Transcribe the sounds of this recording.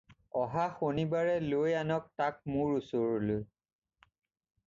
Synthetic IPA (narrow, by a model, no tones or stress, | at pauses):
ɔɦaxonibaɹɛlojanɔk̚tak̚mʊɹusoɹloj